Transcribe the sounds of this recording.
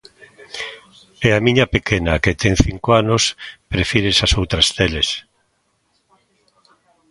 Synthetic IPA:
ɛamĩɲapekenaket̪eŋθiŋkoanospɾefiɾesasowt̪ɾast̪eles

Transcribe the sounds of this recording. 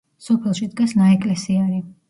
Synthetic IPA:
sɔpʰɛlˠʃid̪ɡasnaɛkʼlɛsiaɾi

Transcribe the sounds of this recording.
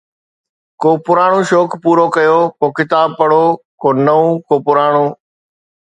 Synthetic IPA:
koːpʊɾaːɽ̃õːʃoːkpuːɾokɐjoːkoːkɪt̪aːb̚pɐɽoːkoːnɐũːkoːpʊɾaːɽ̃õː

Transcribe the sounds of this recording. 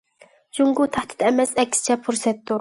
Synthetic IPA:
d͡ʒuŋɡut̪ʰæht̪d̪ɪ̥t̪ɛmɛsɛkʲʰːsɪ̥t͡ʃʰɛpʰuɾsɛt̪ːuɾ

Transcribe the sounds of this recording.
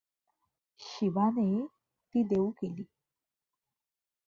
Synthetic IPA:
ɕiʋane | t̪iːd̪eukeliː

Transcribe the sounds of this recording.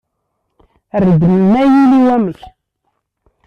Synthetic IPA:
ərəd̪ənmæjiliwæməç

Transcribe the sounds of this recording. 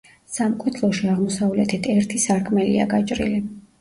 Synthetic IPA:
samkʼwɛt̪ʰlˠɔʃiaʁmɔsavlɛt̪ʰit̪ʰɛɾt̪ʰisaɾkʰmɛlḭa̰ɡat͡ʃʼɾḭli

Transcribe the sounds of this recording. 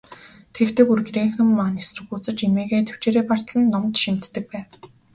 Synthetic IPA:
t̪ʰekt̪ʰĕkurɡɾeːŋxɘ̆mːaːnesrɘ̆xuːt͡sɘ̆t͡ɕimeːɣeːt̪ʰe̥w̥t͡ɕeːɾeːpar̥t̪ɮə̆nːɔmt̪ʃim̥t̪ːɘ̆k̚pæːw

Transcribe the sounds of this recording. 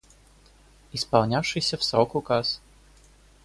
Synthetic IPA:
ispɐlnʲawʂɨsʲɐwsɾɔkʊkas

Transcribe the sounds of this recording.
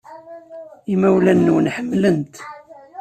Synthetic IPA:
imæwlænːunħəmːlənt̪

